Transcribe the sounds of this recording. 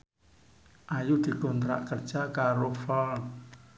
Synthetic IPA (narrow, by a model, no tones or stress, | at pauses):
ʔajud̪̥i̤kɔnt̪ɾa̰ʔkərd̥ʒ̥akaɾofɔl